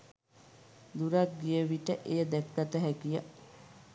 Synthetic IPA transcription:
d̪uɾak̚ɡijəʋiʈəʔejəd̪ɛkːat̪əɦækijə

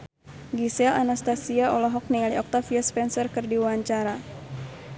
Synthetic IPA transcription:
ɡisɛla̰nast̪asiaɔlɔɦɔk̚niŋaliɔk̚t̪afiaspɛnsərkɨrdiwaɲt͡ʃaɾa

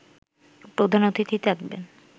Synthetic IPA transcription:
pɾod̪ʱanot̪it̪ʰit̪akbḛn

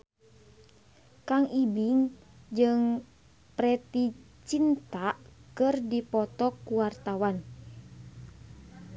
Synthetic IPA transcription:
kaŋibiŋ | d͡ʒɨŋ | pɾɛt̪i | t͡ʃint̪aʔkɨrdipɔt̪ɔkːuwart̪awan

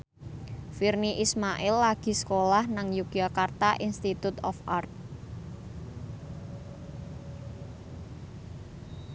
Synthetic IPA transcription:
firniʔismaʔɪlːaɡ̥i̤sə̥kolahnaŋjuɡ̥iakart̪aʔinst̪it̪ut̪ɔ̰fʔart̪̚

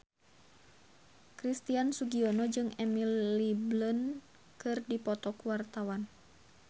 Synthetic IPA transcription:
kɾist̪iansuɡiɔnɔd͡ʒɨŋɛmilliblən | kɨrdipɔt̪ɔkuwart̪awan

